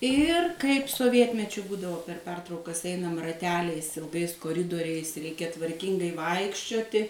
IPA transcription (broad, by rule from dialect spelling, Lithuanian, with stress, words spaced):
ˈɪr kɐɪp soːˈʋʲiɛtʲmʲɛt͡ʃʲʊ ˈbuːdɐʋoː pʲɛr ˈpʲɛrtrɐʊkɐs ˈɛɪnɐm rɐˈtʲæːlʲɛɪs ɪlˠˈɡɐɪs koːˈrʲɪdoːrʲɛɪs ˈrʲɛɪkʲɛ tʋɐrʲˈkʲɪŋɡɐɪ ˈʋɐɪkʃʲt͡ʃʲoːtʲɪ